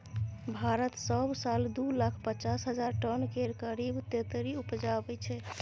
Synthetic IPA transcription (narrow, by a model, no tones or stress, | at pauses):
bʱaɾət̪səbsald̪ulakʰpət͡ʃasɦəd͡ʒaɾʈənkeɾkəɾibt̪et̪ɾiupd͡ʒabɛt͡ʃʰɛ